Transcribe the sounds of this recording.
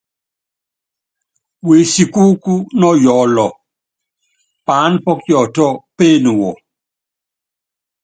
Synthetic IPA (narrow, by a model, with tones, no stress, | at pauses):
we˨si˨ku˦ku˦nɔ˦jɔ˨lɔ˨ | pa˨˦npɔ˦kjɔ˨tɔ˦pe˦˨nu˨wɔ˨